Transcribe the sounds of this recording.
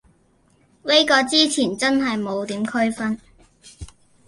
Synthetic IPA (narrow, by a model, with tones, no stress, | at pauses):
le˥jkɔː˧t͡siː˥t͡sʰiː˨˩nt͡sɐ˥nɦɐ˨jmo˨˧wt̪iː˨˥mkʰɵ˥ɥfɐ˥n